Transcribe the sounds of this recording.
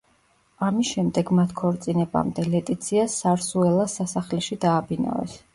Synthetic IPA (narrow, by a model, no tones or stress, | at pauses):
amisʃɛmd̪ɛɡmat̪ʰkʰɔɾt̪sʼinɛba̰md̪ɛlɛt̪ʼit̪sʰiasaɾsuɛlˠasasaχlɛʃid̪aːbina̰vɛ̰s